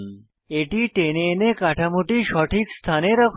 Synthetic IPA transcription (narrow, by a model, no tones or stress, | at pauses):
eʈiʈenenekaʈʰamuʈiːɕɔʈiːkst̪ʰaneɾəkʰ